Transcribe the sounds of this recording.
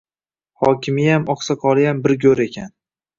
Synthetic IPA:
hɒkʲʰɪmɪjamɒqsaqʰɒlˠɪjambɪɾɡʲɵɾe̞kʲʰan

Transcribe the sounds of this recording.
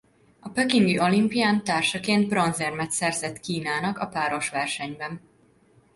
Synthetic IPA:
ɒpøkiŋɡiʔo̞limpijaːnt̪aːrʃɒkeːnd̪̚bro̞nzɛrmɛt̪sɛrzɛt̪kiːnaːnɒkɒpaːɾo̞ʃʋɛrʃɛɲbɛn

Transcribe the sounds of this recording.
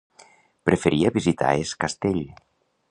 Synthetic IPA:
pɾefeɾiaβizit̪a̰eskast̪eʎ

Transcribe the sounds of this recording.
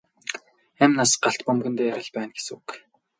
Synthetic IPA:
æmnasɢaɬt̪pɔmɡɵ̆nt̪ejæʁə̆ɮpæːnɡe̥suk

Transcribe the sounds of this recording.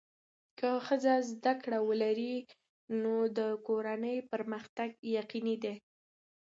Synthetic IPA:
kəxəzazd̪akɽawəlaɾi | nod̪əkoɾanəjpəɾməxt̪aɡjaqinid̪e

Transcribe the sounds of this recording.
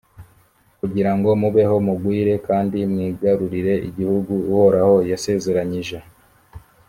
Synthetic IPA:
kuɟiɾaŋɡo̞muβe̞ɦo̞muɡwiːɾe̞kaːndimŋiːɡaɾuɾiɾe̞ʔiɟihuɡuuhoɾaho̞jase̞ze̞ɾaɲiʒe̞

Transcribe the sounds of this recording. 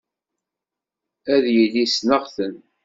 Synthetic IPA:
æðjəlːisnəʁθən

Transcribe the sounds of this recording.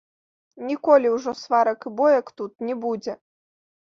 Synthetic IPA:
nʲikɔlʲiwʐɔsvaɾɐkɨbɔjɐkt̪ut̪nʲɛbud͡zʲɛ

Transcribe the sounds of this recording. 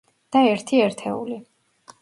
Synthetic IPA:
d̪̥aɛɾt̪ʰiɛɾt̪ʰɛṵli

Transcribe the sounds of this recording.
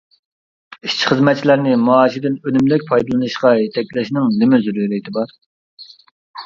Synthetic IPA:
iʃt͡ʃʰi̥χəzmɛt̪̚t͡ʃʰilæɾnɪmuːʃid̪ɪnønymlɛk̚ʲpʰɑjd̪ɨlˠɨnɨʃqɑjet̪ʰɛkʲlɪʃnɪŋnɪmɪzyɾuɾit̪ʰɪbɑɾ

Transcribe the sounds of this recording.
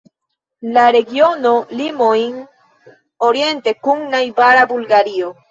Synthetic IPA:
laɾe̞ɡiono̞limojn | oɾje̞nt̪e̞kuŋnajbaɾabulɡaɾio

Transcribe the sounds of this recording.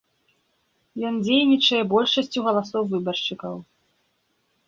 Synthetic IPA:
jɔnd͡zʲejnʲit͡ʂɐjɛbɔlʲʂɐsʲt͡sʲuɣɐlˠasɔwvɨbɐrʂt͡ʂɨkɐw

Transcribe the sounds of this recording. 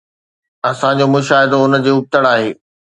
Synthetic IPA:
ɐsãd͡ʑomʊʃaːɦɪd̪oʊnəd͡ʑeːʊp̚t̪əɽaːɦeː

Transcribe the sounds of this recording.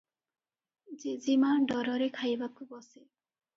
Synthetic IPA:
d͡ʒizimaɖɔɾɔɾekʰajbakːubɔse

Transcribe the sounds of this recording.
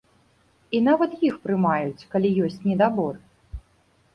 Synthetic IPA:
in̪avɐt̪jixpɾɨmajut͡sʲkalʲijɔsʲt͡sʲnʲɛd̪abɔr

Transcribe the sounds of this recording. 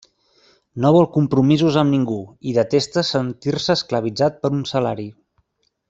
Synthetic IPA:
noβ̞ɔlˠkumpɾumizuzəmniŋɡuiðət̪est̪əsənt̪irsəːskləβ̞id͡zat̪̚pəɾunsəlaɾi

